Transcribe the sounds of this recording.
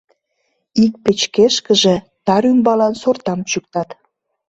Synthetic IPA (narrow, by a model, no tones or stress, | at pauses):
ik̚pet͡ɕkeʃkəʒĕ | t̪ɑɾymbɑlɑnsort̪ɑmt͡ɕuk̚t̪ɑt̪